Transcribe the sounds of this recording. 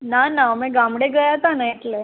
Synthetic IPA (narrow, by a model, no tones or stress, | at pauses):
nanamɛ̃ɡamɽeɡəjat̪anəjit̪le